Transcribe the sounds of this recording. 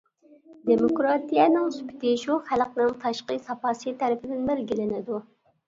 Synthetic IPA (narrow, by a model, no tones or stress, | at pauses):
d̪emokɾɑt̪ijɛnɪŋsy̥pʲʰɪ̥t̪ɪʃuχælqnɨŋt̪ʰɑʃqəsɑpɑːsijt̪ʰɛɾɪpʰɪd̪ɪnbɪɾɡʲilɪnɪd̪u